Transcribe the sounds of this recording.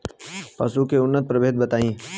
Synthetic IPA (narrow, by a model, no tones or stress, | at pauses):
pɐsukeʊnːət̪̚pɾɐbʱeːd̪̚bɐt̪aːĩː